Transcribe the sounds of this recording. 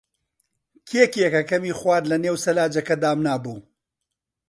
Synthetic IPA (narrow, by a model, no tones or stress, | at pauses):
kʰekiɛkɐkɐmiːχwaːdlɐneːwsɐlaːd͡ʒɐkɐd̪aːmnaːbuː